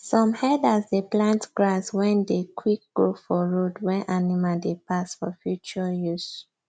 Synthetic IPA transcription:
sɔ̃mhɛdasdeplãntɡɹaswɛ̃ndekʰwik̚ɡ̥ofɔɹodwɛʔanimadepasfɔ̰fjut͡ʃɔjus

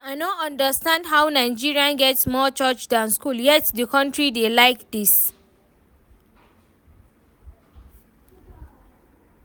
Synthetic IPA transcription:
aɪnoə̃ndəstãndɦawnaɪd͡ʒiɹiãnɡɛtsmɔt͡ʃət͡ʃdãnskuljɛtdəkʌ̃ntɹidelaɪkd̪is

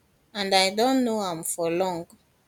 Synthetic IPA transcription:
ãndajdɔ̃nːoãmfɔlɔ̃ŋɡ

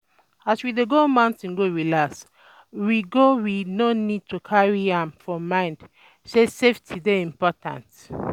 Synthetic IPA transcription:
aswideɡomãʊ̃ntĩnɡowilas | wiɡowinonid̚tʰukʰaɹiãmfɔmãɪ̃nd | seseftʰideĩmpɔtʰã̰nt

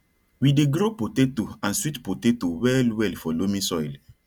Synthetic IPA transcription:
wideɡɾopotetoãnswitpotetowɛlwɛlfɔlomĩsɔjl

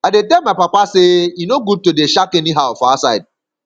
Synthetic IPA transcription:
aɪdetɛmaɪpapasejunoɡud̚todeʃakɛniɦaʊfɔasaɪd̚

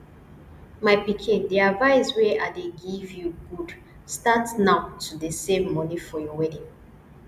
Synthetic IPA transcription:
maɪpikʰĩndeavaɪswɛʔadeɡivjuɡud | statnaʊtʰudəsẽmːɔ̃nifɔjɔwɛdĩŋ

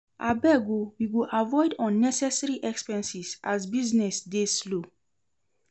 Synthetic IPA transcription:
ʔabɛɡuwiɡuʔavɔɪdɔ̃nːɛsɛsɛɹiʔɛkspɛ̃nsisʔasbiznɛsdeslo

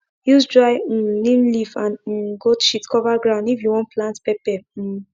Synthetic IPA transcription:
jusdɹaɪlĩmlifãn̩ɡoʃitkʰɔvaɡɹãʊ̃ndifjuwɔ̃ntplãntpɛpɛ

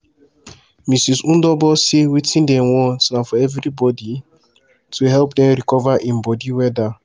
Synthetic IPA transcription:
misisun̩dɔbɔsiwitĩn̩deŋʷɔsnafɔevɾibɔdi | tʰuɦɛlpdɛ̃ɾikɔvaʔĩm̩bɔdiwɛda

